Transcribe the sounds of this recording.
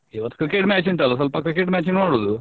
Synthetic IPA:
iʋɐt̪kɨkeːʈmʲaːt͡ʃiɳʈɐːlɐs̬ɐlpɐkːɐkeːʈmʲaːt͡ʃinʋaːɽoːd̪u

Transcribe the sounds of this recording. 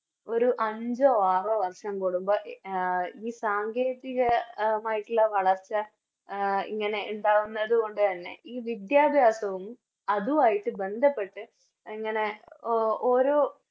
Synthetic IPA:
o̞ɾuʔɐɲd͡ʑoaːrɨʋɐrʂɐmkuɽumbɐʔ | iːsaːŋɡʱeːðiɣɐmaːjiʈːulɐʋɐɭɐrt͡ɕːɐ | ḭŋːɐne̞uɳɖaːɣunːɐðuɣo̞ɳɖɨt̪ɐnːe̞̰ʔiːʋid̪jaːbʱjaːsɐʋum | ɐðuʋaːjiʈːɨbe̞nd̪ʱɐpːe̞ʈːɨ | iŋːɐne̞ | oːɾo̞ː

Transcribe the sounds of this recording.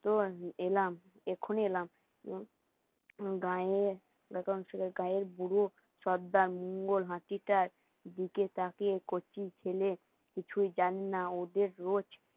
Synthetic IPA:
t̪oelam | ekʰonelam | ɡaeɾ | ɡɛk̪onʃekeɡãeɾbuɾo | ʃɔd̪ːaɾmuŋɡolɦãt̪iʈaɾ | d̪iket̪akekot͡ɕit͡ɕʰele | kit͡ɕʰujd͡ʑanenaod̪eɾːot͡ɕ

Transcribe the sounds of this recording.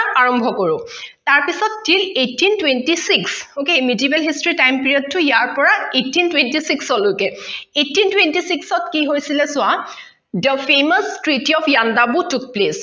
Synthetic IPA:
aɹɔmbʱɔkɔɹʊtaɹpisɔtːilejtʰːintwentisiksokemidiebɛlɦistɹitajmpiɹiɔd̚tʊjaɹpɔɹaejtːintwentisiksɔlokɛetːintwentisiksɔtkiɦojsilɛsʊa | dəpʰemastɹitiɔpʰjandabutuk̚ples

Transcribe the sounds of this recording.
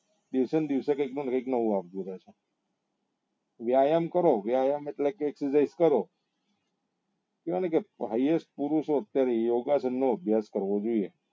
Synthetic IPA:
d̪iʋsənd̪iʋsekəiknũnekəiknəʋũapd͡ʒ̪ũɾat͡ʃʰe | ʋjajəmkəɾoʋjajəmeʈlekeːksəsaizkəɾo | keʋənekeɦəjesʈ̚puɾuʃoət̪jaɾejoɡasənːoəbʱjaskəɾʋod͡ʒoie

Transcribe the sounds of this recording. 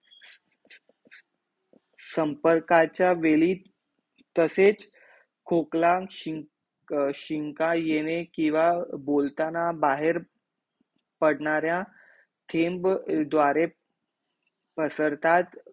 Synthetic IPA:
səmpəɾkat͡ɕjaʋeliː | t̪əset͡s | kʰoklãɕi | ɕiŋkajenekĩw̃ʋabolt̪anabaɦeɾ | pəɽɳaɾjã | t̪ʰembd̪ʋaɾe | pəsəɾt̪ʰat̪

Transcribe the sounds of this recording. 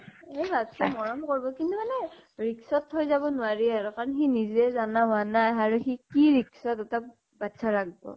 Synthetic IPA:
ebattɔmɔɹɔmkoɹibɔkintumanɛ | ɹiksɔthojzabɔnʊaɹiaɹukaɹɔnxiniziɛzanaɦʊanajaɹuxikiɹiksɔtɛtap̚ | batsʰaɹaɡ̚bɔ̰

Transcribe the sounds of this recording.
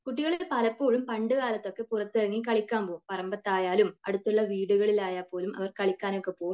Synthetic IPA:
kuʈːiɣɐɭipɐlɐpːo̞ːɻumpɐɳɖɨɣaːlɐt̪ːo̞kːe̞purɐt̪ːirɐŋːikɐɭikʲːaːmpoːpɐrɐmbɐt̪ːaːjaːlumɐ̰ɽut̪ːuɭːɐʋiːɽuɣɐɭilaːjaːpːo̞ːlumɐ̰ʋɐrkɐɭikʲːaːno̞kːe̞po̞ːɣum

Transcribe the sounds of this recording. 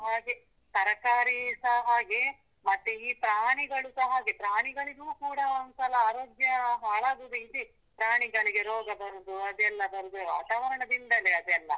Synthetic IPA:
ɦaːɡe | t̪ɐɾɐkaːɾisɐɦaːɡe | mɐt̪ːeiːpɾaːɳiɡɐɭusɐɦaːɡepɾaːɳiɡɐɭiɡuːkuːɽɐɐnsɐlɐaːɾoːɡjɐɦaːɭaːɡ̪udisi | pɾaːɳiɡɐɭiɡeɾoːɡɐd̪ɐnd̪uɐd̪ɛlːɐd̪ɐɾd̪uʋa̰ːt̪aːʋɐɾɐɳɐb̪ind̪ɐleɐd̪ɛlːɐ̰

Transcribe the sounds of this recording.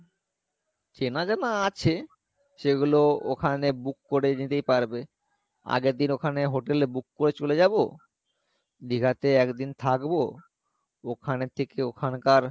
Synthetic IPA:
d͡ʑenad͡ʑanaat͡ɕʰe | ʃeɡuloo̰kʰanebukːoɾenit̪ejpaɾbe | a̰ɡed̪inokʰaneɦoʈelbukːoɾet͡ɕoled͡ʑabo̰ | d̪iɡʱat̪eɛkd̪int̪ʰakbo | okʰanet̪ʰekeokʰankaɾ

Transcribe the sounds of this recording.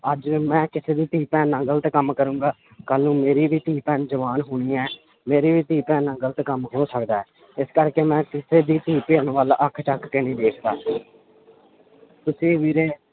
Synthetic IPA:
əd͡ʒmɛ̃ːkɪseːd̪iːt̪iːpɛ̃ːnə̃ŋɡəlt̪ːkəmkəɾũːŋɡaː | kəlːũːmeːɾiːʋiːt̪iːpɛ̃ːd͡ʒəʋaːnɦʊːɽ̃iːɛː | meːɾiːʋiːt̪iːpɛ̃ːnə̃ːŋɡəlt̪kəmɦoːsəkd̪aːɛː | ɪskəɾkeːmɛ̃ːkɪseːd̪iːt̪iːpeːənːʋaːlːʔəkʰʈəkːənĩːd̪eːkʰd̪aːsiː | t̪ʊsĩːʋiːɾeː

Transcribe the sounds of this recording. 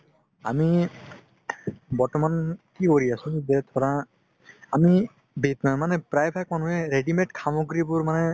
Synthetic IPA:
a̰mi | bɔɹtɔmankikoɹiasũzɛt̪ʰɔɹaː | mi | bet̪mamanɛpɾajpʰak̚manuɦɛɾeɖimeʈkʰamɔɡɾibʊɹmanɛ

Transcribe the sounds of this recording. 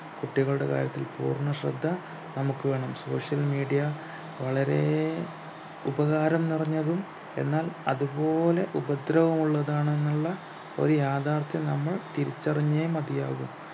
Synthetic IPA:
kuʈːiɣɐɭuɽe̞ka̰ːɾjɐt̪ːilpṵːrɳːɐɕrɐd̪ʱːɐ | nɐmukːɨʋe̞ːɳɐmso̞ːʂjɐlmiːɖijɐ | ʋɐɭɐɾe̞ | ubɐɣaːɾɐmnirɐɲːɐðum | e̞nːaːlɐðubo̞ːle̞ʔubɐd̪ɾɐʋɐmuɭːɐðaːɳenːuɭːɐ | o̞̰ɾujaːd̪ʱaːrt̪jɐnɐmːɐɭt̪iɾit͡ɕːɐriɲːemɐd̪ijaːɣum

